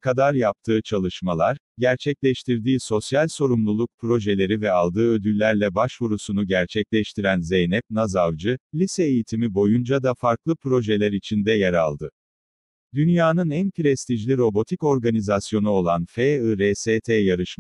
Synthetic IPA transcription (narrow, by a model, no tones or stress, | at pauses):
kʰad̪aɾjap̚t̪ʰɯːt͡ʃʰalˠɯʃmalˠaɾ | ɟæɾt͡ʃʰɛclʲɛʃt̪ʰiɾd̪iːso̞sjalʲso̞ɾumlˠulˠuk̚pʰɾo̞ʒelʲe̞ɾivɛalˠd̪ɯːø̞d̪ylʲːæɾlʲɛbaʃvuɾusunuɟæɾt͡ʃʰɛclʲɛʃt̪ʰiɾænzejnɛp̚nazavd͡ʒɯlʲisɛːjit̪ʰimibo̞jund͡ʒad̪afaɾklˠɯpʰɾo̞ʒɛlʲæɾit͡ʃʰind̪ɛjaɾa̰lˠd̪ɯ | d̪ynjaːnɯnænpʰɾɛst̪iʒlʲiɾo̞bo̞t̪ʰiko̞ɾɡanizasjo̞nuo̞lˠanfeɯɾeset̪ʰejaɾɯʃm